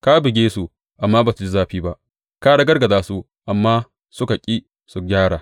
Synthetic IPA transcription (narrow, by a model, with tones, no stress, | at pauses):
ka˦bɪ˨ɡʲeː˦su˦ | ʔa˨mːaː˦baː˨su˨˦d͡ʒɪ˦zaː˦ɸiː˦ba˦ʔ | kaː˦ɽa˨ɡɐ˦rɡɐ˨daː˦su˦ | ʔa˨mːaː˦ | sʊ˦ka˨kʲʼiː˦ | su˨ɡʲaː˦ɽaː˨